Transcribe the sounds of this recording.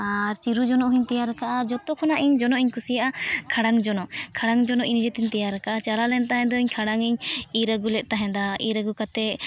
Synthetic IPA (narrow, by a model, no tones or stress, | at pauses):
aɾt͡ʃiɾud͡ʒɔnɔʔɦiɲt̪ɛjaɾɛkaʔad͡ʒɔt̪ɔkʰɔnaʔiɲd͡ʒɔnɔʔiɲkusijaʔakʰaɽaŋd͡ʒɔnɔkʰaɽaŋd͡ʒɔnɔʔind͡ʒɛt̪iɲt̪ɛjaɾakaʔat͡ʃalalɛnt̪aɦɛ̃d̪ɔiɲkʰaɽaŋiɲiɾəɡulɛʔ̪̚ˀt̪aɦɛ̃d̪aiɾəɡukat̪ɛ